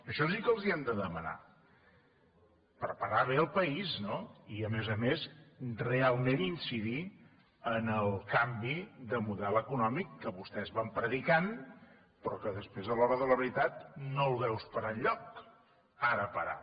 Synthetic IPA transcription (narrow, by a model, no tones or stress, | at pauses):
əʃɔsikəlˠziəmd̪əðəməna̰ | pəɾpəɾaβ̞eəlˠpəiznoiəmezəmezrealˠmẽninsiði | ənəlˠkambiðəmuðɛlˠəkunɔmikːəβust̪ɛzβampɾəðikan | pɾɔkəðəspɾezðəlɔβɾəðələβəɾit̪at̪nolβɛwspəɾəʎʎːɔk | aɾəpəɾa̰